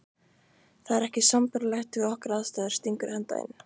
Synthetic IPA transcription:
θaðɛɾɛhcɪsampʏɾlɛxt̪ʏɣɔhkaɾaðst̪aːðɪɾ̥st̪iŋkʏɾ̥hɛnt̪a̰ɪ̰n

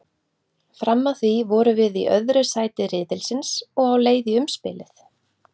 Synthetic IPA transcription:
fɾamːawθvivɔːɾʏvɪðiʔœðɾʏsaːjt̪ɪrɪːðɪlsɪnsɔɣawleːjðiʏmspɪ̰ːlɪθ

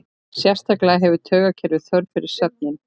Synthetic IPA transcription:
sjɛ̥st̪aklaɦɛvʏt̪ʰœːɣacʰɛɾvɪθœɾt̪fɪɾɪɾ̥sat̪̚nɪn

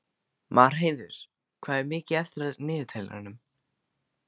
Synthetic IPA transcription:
maɾ̥ɦeːjðʏɾ̥ | kʰv̥aːðɛɾmɪːcɪɛft̪ɾaðnɪːðʏt̪ʰajla̰anʏm

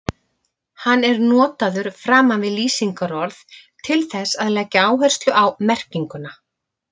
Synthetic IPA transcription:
hanːɛɾnɔːt̪aðʏɾ̥fɾaːmanvɪðliːsiŋkaɾɔɾθt̪ʰɪlθɛsaðlɛcːaaːwɦɛr̥st̪lʏʔawmɛr̥ciŋkʏna

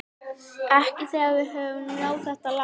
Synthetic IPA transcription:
ɛhcɪθɛːavɪɦœvʏnnjoːwθɛht̪ala

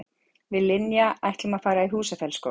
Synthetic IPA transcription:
vɪðlɪnjaajht̪lɪmaðfaːɾaiɦuːsafjɛlsko̰

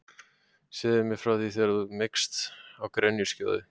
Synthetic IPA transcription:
sɪːðɪɾmɪfɾawθiθɛɾðumɪkst̪awkɾɛnjʏ̥sca̰ːðʏ

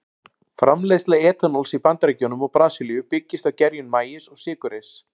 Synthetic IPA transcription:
fɾʔamlejstlaɛːt̪anɔlsipant̪ɾɛcɔnʏmɔɣpɾaːsilijʏpɪcːɪst̪awcɛɾjʏnmaːjɪsɔɣsɪːkʏɾɪs

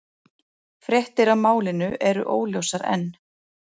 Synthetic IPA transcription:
fɾjɛht̪ɪɾawmaːwlɪnʏʔɛɾʏ̰ʔoːwljowsaɾɛ̰nː

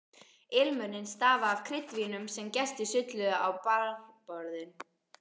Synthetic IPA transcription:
ɪlmʏnɪnst̪aːvaːvkʰɾɪt̪vinʏmsɛmcɛst̪ɪsʏt̪lʏðaʔawpaɾpɔɾðɪn

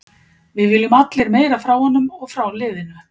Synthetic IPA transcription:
vɪðvɪːlːʏmat̪lɪɾmeːjɾafɾaːwhɔnːʏmɔɣfɾawlɪːðɪna

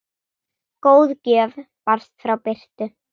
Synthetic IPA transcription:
koːwðcɛːv | par̥st̪fɾawpɪr̥t̪ʏ

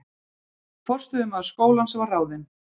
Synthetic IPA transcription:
fɔr̥st̪ʏʏmaðskoːwlansɛvaraːwðɪn

